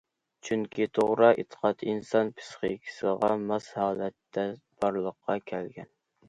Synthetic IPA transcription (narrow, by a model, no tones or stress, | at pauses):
t͡ʃʰyŋkʲʰit̪ʰoʁɾɨʔet̪ʰə̥qʰɑt̪insɑnpʰɨ̥sχekʲʰi̥sɨʁɑmɑshɑːlˠɛt̪ʰːɛ | b̥ɑɾlˠəqʰːɑkʲʰɛlɡʲɛn